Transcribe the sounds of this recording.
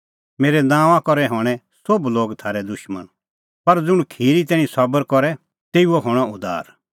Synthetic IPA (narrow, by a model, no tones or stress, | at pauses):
meːɾɛnãːʋãkɔɾɛɦɔːɽ̃ɛ | sobloːɡt̪ʰaːɾɛd̪ʊʃmə̰n | pɐɾd͡zʊɽ̃kʰiːɾit̪̬ɛːɽ̃ĩsɐbəɾkɔɾɛ | t̪eːuoɦoːɽ̃aʊd̪a̰ːɾ